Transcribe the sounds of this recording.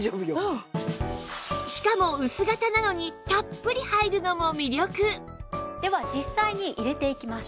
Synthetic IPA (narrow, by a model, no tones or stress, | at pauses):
ʑoːbɯjo | ɕi̥kamo̞ɯ̟sɨɡat̪anano̞ɲ̟it̪apːɯɾʲihaiɾɯ̟no̞mo̞mʲiɾʲo̞kɯ̟ | d̪̥e̞βad͡ʑisːaiɲ̟iʔiɾe̞t̪e̞ikʲimas